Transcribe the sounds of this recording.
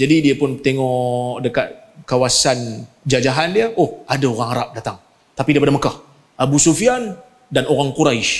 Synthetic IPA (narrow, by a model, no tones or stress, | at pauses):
d͡ʒadidiapʊnt̪eŋɔdəkat̪̚ | kawasan | d͡ʒad͡ʒaɦandiaʔohadaoɣaŋaɾap̚dat̪aŋ | t̪apidaipadaməkah | ʔabusufian | danoɾaŋkuɾaiʃ